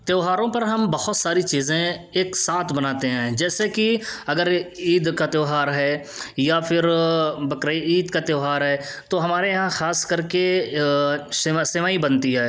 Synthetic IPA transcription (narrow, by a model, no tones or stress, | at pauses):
t̪eːɦaːɾõpɐɾɦɐmbɐhʊt̪saːɾit͡ʃiːzẽeːksaːt̪ʰbɐnaːt̪eɦɛ̃ːd͡ʒɛːsekiɐɡəɾiːd̪kat̪eːɦaːɾɦɛː | japʰɪɾbɐkɾəiiːd̪kat̪eːɦaːɾɦɛːt̪oɦɐmaːɾejɐɦãxaːskɐɾke | ssɪʋaːibɐnt̪iɦɛː